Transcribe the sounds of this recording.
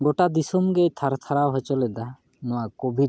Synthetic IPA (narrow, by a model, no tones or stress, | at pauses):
ɡoʈad̪isɔmɡet̪ʰaɾt̪ʰaɾawɦɔt͡ʃɔlɛd̪a | nɔwakɔbʱid̪